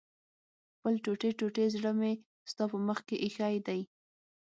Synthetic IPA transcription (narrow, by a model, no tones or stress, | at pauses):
xpəlʈoʈeʈoʈezɽəme | st̪ɑpəməxkeʔixajd̪aj